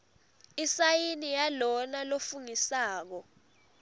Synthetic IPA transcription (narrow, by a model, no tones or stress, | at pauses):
isajinijalɔnalofuŋisaːk̬ɔ